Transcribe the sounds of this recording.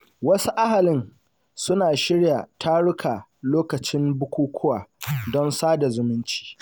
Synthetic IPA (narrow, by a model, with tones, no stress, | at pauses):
wɐ˦su˦ʔa˦ɦa˨lɪ˦n | sʊ˦naː˨ʃɪ˦ɽja˨tʰa˦ɽʊ˦kʰa˨loː˦kɐ˨t͡ʃɪ˦mbʊ˦kʷuː˦kʷʰʊ˦waː˨dɔ˦nsaː˦da˨zʊ˨mʊ˦nt͡ʃi̥ː˨